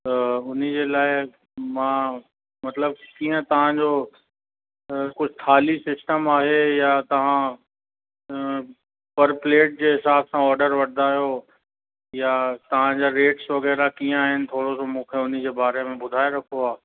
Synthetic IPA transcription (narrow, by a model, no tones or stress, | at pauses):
t̪ɐʊn̤id͡ʑeːlaːɪ | mãː | mɐt̪ləb̚kiːə̃t̪ɐʋ̤ãd͡ʑo | kʊd͡ʑʱɪt̪ʰaːlisɪsʈəmaːɦejat̪ɐʋ̤ã | pɐɾpleːʈ̚d͡ʑeːɦɪsaːbsãɔːɾɖəɾʋɐɾd̪ʱaːjo | jat̪ɐʋ̤ãd͡ʑaɾeːʈsʋɐɣɛːɾakiːə̃aːɦɪnɪ̆t̪ʰoːɽosomũːkʰeʊn̤id͡ʑeːbaːɾemẽbʊd̪ʱaːeɾɐkʰoaː